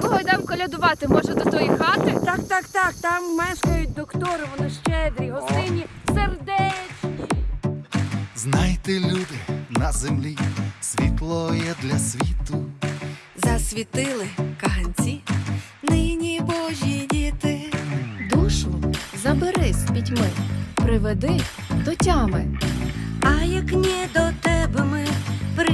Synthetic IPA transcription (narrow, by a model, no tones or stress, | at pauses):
kɔɦɔd̪ɑmkɔlʲɐd̪ʊʋɑt̪ɪmɔʒɐd̪ɔt̪ɔjixɑt̪ɪt̪ɑkt̪ɑkt̪ɑkt̪ɑmːɛʃkɑjʊt̚ʲd̪ɔkt̪ɔɾɪʋɔnɪʃt͡ʃɛd̪ɾʲiɦɔst̪ɪnʲiserd̪ɛt͡ʃnʲi | znajt̪ɛlʲud̪ɪnnɐzemlʲisʲʋʲit̪lˠɔjɛd̪lʲɐsʲʋʲit̪ʊ | zɐsʲʋʲit̪ɪlˠɪkɐnʲt͡sʲi | nɪnʲibɔʒʲidʲit̪ɪd̪uʃʊzɐbeɾɪsʲbʲitʲmɪpɾɪʋed̪ɪ | d̪ɔtʲɑmɪ | ɐjɐknʲɛd̪ɔt̪ɛbmɪpɾ